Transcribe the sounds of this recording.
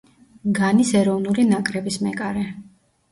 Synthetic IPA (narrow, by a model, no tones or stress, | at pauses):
ɡanisɛɾɔvnulinakʼɾɛbismɛkʼaɾɛ